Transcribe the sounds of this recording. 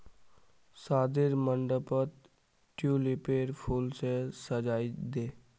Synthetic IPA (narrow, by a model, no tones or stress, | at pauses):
saːd̪ɪɾməɳɖəpət̪ | ʈjuːlipeːɾpʰuːlsesəd͡ʒaːid̪eː